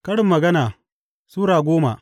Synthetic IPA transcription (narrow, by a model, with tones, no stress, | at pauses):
kɐ˦ɽɪ˨mːɐ˨ɡɐ˦naː˨ | suː˦ɾaː˨ɡʷoː˦ma˨